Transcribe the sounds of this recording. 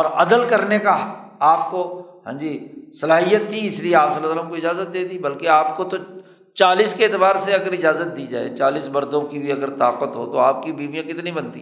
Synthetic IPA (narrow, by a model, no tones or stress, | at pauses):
ɔːɾɐd̪əlkɐɾnekaaːp̚koɦã̰ːd͡ʒiːsɐlaːɦijət̪ːʰiɪslieaːpsɐlːsəlːəmkoɪd͡ʒaːzət̪̚d̪eːd̪ibɐlkeaːpkot̪o | t͡ʃaːliːskeːt̪ɪbaːɾseɐɡəɾɪd͡ʒaːzət̪̚d̪iːd͡ʒa̰ːḛt͡ʃaːliːsbɐɾd̪õkibʱiɐɡəɾt̪aːqət̪ɦo̰ːt̪oaːp̚kibiːʋijãkɪt̪nĩbɐnt̪ḭː